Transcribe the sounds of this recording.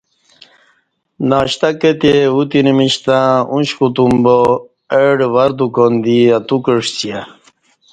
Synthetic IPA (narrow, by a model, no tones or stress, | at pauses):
naːɕt̪aket̪eut̪inimiɕt̪ãũnɕkut̪umbo | eɖʋɐɾd̪ukond̪iat̪ukəʂt͡ɕija